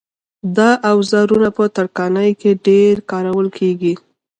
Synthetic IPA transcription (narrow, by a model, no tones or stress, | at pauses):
d̪ɑʔawzaɾunapət̪aɽkɑnəjkeɖeɾkɑɾawəlkʰeɡi